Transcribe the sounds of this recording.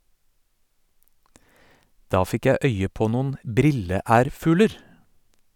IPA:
ˈdɑː ˈfɪk ˈjæ ˈœʏə ˈpoː ˈnʊn ˈbɾɪləˌæːɾfʉːləɾ

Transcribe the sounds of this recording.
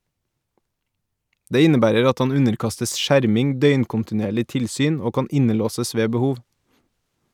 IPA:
ˈdeː ˈɪnəˌbæːɾəɾ ˈɑt ˈɑn ˈʉnəɾˌkɑstəs ˈʃæɾmɪŋ ˈdœʏnkʊntɪˌneːɭɪ ˈtɪlˌsyːn ˈoː ˈkɑːn ˈɪnəˌloːsəs ˈʋeː bəˈhuːʋ

